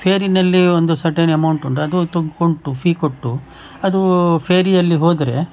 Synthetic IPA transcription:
pʰeːɾinɐlːiond̪usɐɾʈeːnɐmɐwuɳʈuɳɖɐd̪ut̪oɡkoɳʈːupʰiːkoʈːu | ɐd̪upʰeːɾijɐlːiɦoːd̪ɾe̞̰

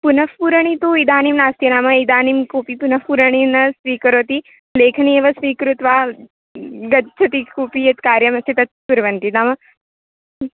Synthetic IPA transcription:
punɐfpuɾɐɳ̃it̪uːid̪aːnimnaːst̪ʰinaːmɐid̪aːnimkoːpipunɐfpuɾɐɳ̃inɐsʋiːkɐɾoːt̪i | leːkʰɐnieːʋɐsʋiːkɾut̪ʋaː | ɡɐt͡ʃʰɐt̪ikuːpijɐt̪kaːɾjɐmɐst̪ʰit̪ɐt̪̚puɾʋɐnt̪inaːmɐ

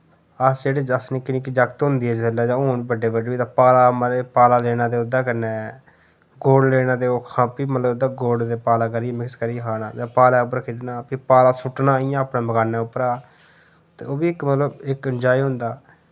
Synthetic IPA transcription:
əsd͡ʒeːɽeːd͡ʒəsnĩːkɪniːkid͡ʒəkt̪ɦʊ̃nd̪iːɦɛːd͡ʒəlːaːd͡ʒãːoːniːbəɖeːbəɖːbiːt̪aːpaːlaːmɾeːpaːlaːleːnãːd̪eːʊd̪aːkəneː | ɡoːɖleːnãːd̪eːoːkʰãːpiːmət̪ləbd̪aːɡoːɖd̪eːpaːlaːk̬əɾiːemɪkskəɾiːkʰaːnaːd͡ʒãːpaːlaːʊp̬ːəɾkʰɪʈnaːpipaːlaːsʊʈnaːijãːəpnẽːməɡaːnːɛːʊpɾaː | t̪ḛːoːbiːɪkmət̪ləbɪkənd͡ʒaːiːɦʊ̃nd̪aː

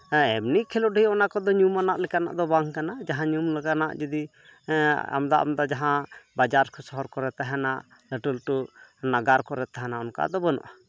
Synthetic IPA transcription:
ɛbnikʰɛlɔɖəjɔnakɔd̪ɔɲumanaʔlɛkana̰ʔd̪ɔbaŋkanad͡ʒaɦãɲumlɛkanaʔd͡ʒəd̪i | a̰md̪aʔa̰md̪ad͡ʒaɦãbad͡ʒaɾkʰɔsɔɦɔɾkɔɾɛt̪aɦɛnaʔ | ləʈəlʈunaɡaɾkɔɾɛt̪aɦɛnaɔnka̰d̪ɔbənɔ̰ʔa

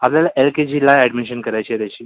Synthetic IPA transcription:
apljalaʔelked͡ʑilaɛɖmiɕənkəɾajt͡ɕet̪at͡ɕiː

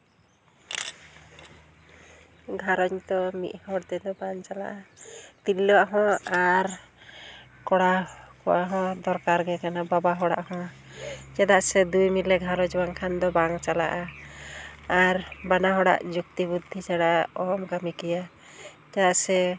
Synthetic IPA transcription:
ɡʱaɾɔɲt̪ɔmḭʔ̪̚hɔɽt̪ɛd̪ɔbaŋt͡ʃala̰ʔat̪ilːɔaɦɔ̃aɾ | kɔɽakɔwaɦɔ̃d̪ɔɾkaɾɡɛkanababaɦɔɽa̰ʔhɔ̃a | d͡ʒɛd̪aʔsɛd̪ujmilɛɡʱaɾɔd͡ʒbaŋkʰand̪ɔbaŋt͡ʃala̰ʔa | aɾbanaɦɔɽa̰ʔd͡ʒuk̚t̪ibud̪ʱːit͡ʃaɽaɔmkamikɛja | d͡ʒad̪aʔsɛ

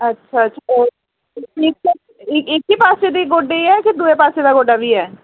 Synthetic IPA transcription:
ɐtːʃʰaɐtːʃʰaɔːɾ | eːkː | ekeːkːipaːsed̪iɡoːɖeɛkɪd̪uːepaːseːd̪aɡoːɖabʱiɦɛː

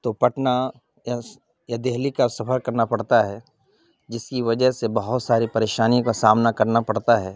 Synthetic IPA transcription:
t̪opɐʈna | ja | jad̪eɦlikasɐfʰəɾkɐɾnapɐɽt̪aɦɛː | d͡ʒɪskiʋɐd͡ʒəɦsebɐɦʊt̪saːɾipɐɾeːʃaːniõkasaːmnakɐɾnapɐɽt̪aɦɛː

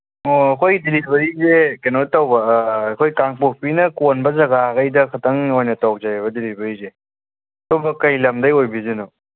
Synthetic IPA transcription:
oɐkʰojdelibɐɾizekenotɐwbɐːkʰojkaŋpok̚pinɐkonbɐzɐɡaɡɐjdɐkʰɐtʰɐŋojnɐtɔwk̚zajβɐdelibɐɾize | ɐtobɐkɐjlɐmdɐjojbizeno

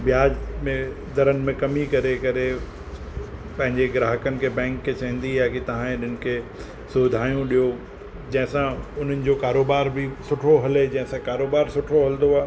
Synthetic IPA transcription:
bjaːd͡ʑmẽ | d̪ɐɾənɪ̆mẽkɐmikɐɾekɐɾe | pɐ̃ɦɪ̃ɲd͡ʑeɡɾaːɦəkənɪ̆kʰebɛ̃ːŋkːet͡ɕɐ̃ɦə̃nd̪iaːkit̪ɐʋ̤ãẽɗɪnɪ̆kʰe | soːd̪ʱaːjũɗijo | d͡ʑɐ̃ɦɪ̃sãʊn̤ənɪ̆d͡ʑokaːɾoːbaːɾbʱɪsʊʈʰoɦɐled͡ʑɐ̃ɦɪ̃sãkaːɾoːbaːɾsʊʈʰoɦɐld̪oaː

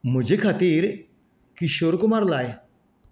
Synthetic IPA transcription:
mʊd͡ʑʱekʰat̪iːɾ | kiʃoːɾkumaɾlaːj

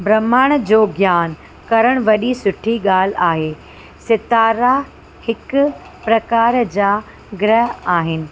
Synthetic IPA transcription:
bɾɐmaːɽ̃d͡ʑoːɡjaːn | kɐɾəɽ̃ʋɐɗisʊʈʰiɠaːl̤aːɦeː | sɪt̪aːɾa | hɪkʊ | pɾɐkaːɾd͡ʑaː | ɡɾəɦaːɦɪnɪ̆

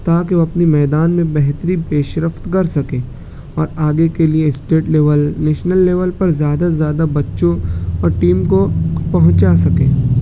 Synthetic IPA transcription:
t̪aːkeoɐpnimɛːd̪aːnmẽbɛɦt̪əɾipeːʃɾəft̪kɐɾsɐkẽː | ɔːɾaːɡekelijeɪsʈeːʈleːʋəlneːʃnəlːeːʋəlpɐɾzjaːd̪azjaːd̪abɐtːʃõɔːɾʈiːmkopɐɦʊ̃t͡ʃasɐkẽː

